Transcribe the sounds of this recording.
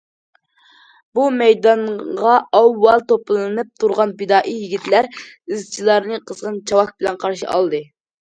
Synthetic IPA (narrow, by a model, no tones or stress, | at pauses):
bumɛjd̪ɑnʁɑɑwːɑlˠt̪oplˠɨnɨp̚t̪ʰuɾʁɑnbɪd̪ɑːʔijiɡʲit̪læɾizt͡ʃʰilˠɑɾnɨqʰəz̥ʁənt͡ʃʰɑwɑk̚bɪlɛnqʰɑɾʃḭʔɑ̰lˠd̪ɨ